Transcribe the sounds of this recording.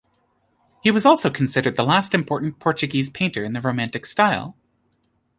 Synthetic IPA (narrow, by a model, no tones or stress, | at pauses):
hiwʌzɔlˠsoʊkʰn̩sɪɾə˞d̪̚ðəlæstɨ̃mpʰɔɹʔn̩pʰɔɹt͡ʃɨɡiz̥pʰẽɪ̃ntə˞ɨ̃nðɨɹoʊmæ̃ntɨkstaɪlˠ